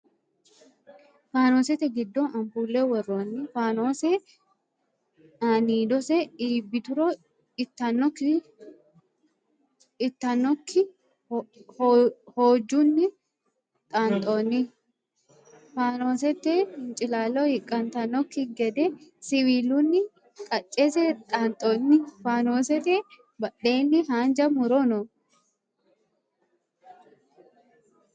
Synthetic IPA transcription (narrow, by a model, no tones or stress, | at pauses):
faːnoːsɛt̪ːɛɡɪd̪ːɔɐmpuːlːewɔrːoːnːɪfaːno̞ːsɛ | aːniːd̪ɔsɛiːbːɪt̪ʊɾɔ | ɪt̪ːɐnːɔkːɪ | ɪt̪ːɐnːɔkʰːɪ | hho̞ːd͡ʒːunːɪ | t̪ʼaːnt̪ʼoːnːɪ | faːno̞ːsɛt̪ːeːhɪnt͡ʃʼɪlaːlːɔhɪkʼːɐnt̪ɐnɔkːɪɡɛd̪ɛsɪwiːlunːɪ | kʼɐt͡ʃʼːeːsɛt̪ʼaːnt̪ʼoːnːɪfaːnoːsɛt̪e | bɐᶑe̞ːnːɪɦaːnd͡ʒɐmʊɾɔnɔ